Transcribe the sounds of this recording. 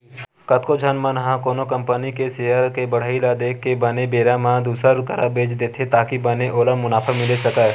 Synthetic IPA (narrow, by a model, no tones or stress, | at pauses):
kət̪kod͡ʒʱənmə̃nəɦãkoːnokə̃mpənikeseːjəɾkebəɽ̤əilad̪eːkːebənebeːɾamãd̪uːsɾaɾʊkəɾabʱeːd͡ʒd̪eːt̪ʰet̪aːkibɐneʔoːləmːʊnaːpʰamɪlesɐkə